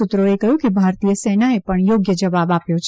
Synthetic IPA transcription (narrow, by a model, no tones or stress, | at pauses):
ut̪ɾoekəɦjũkebʱaɾt̪ijəsenaepəɳjoɡjəd͡ʒəʋabapjot͡ʃʰ